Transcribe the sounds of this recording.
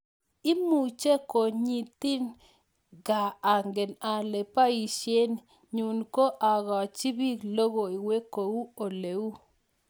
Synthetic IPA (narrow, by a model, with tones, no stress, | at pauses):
ɪ˦mu˨t͡ʃe˦ko˨ɲi˨t̪i˦n | ɡaː˨ŋɡe˨na˨le˨pa˦i˨ʃje˦n | ɲu˨nko˦ʔa˨ɡɔ˨t͡ʃi˦bi˦lo˦ɡo˨i˨we˦ko˨wu˦o˨le˨u˦